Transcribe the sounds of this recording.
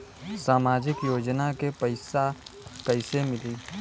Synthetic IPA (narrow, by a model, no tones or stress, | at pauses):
saːmaːd͡ʒɪkjoːd͡ʒnakepəɪsakəɪsemɪliː